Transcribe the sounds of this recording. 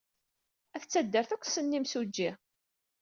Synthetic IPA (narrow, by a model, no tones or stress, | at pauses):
æθət͡sːæd̪ːəɾθækʷːsənːimsud͡ʒːi